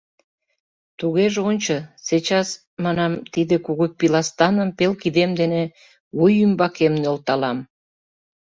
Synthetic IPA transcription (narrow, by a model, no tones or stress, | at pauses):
t̪uɣeʒeonʲt͡ɕɤset͡ɕɑs | mɑnɑmt̪id̪ekuɣopilɑst̪ɑnəmpelkid̪emd̪ene | βujymbɑkemnølt̪ɑlɑm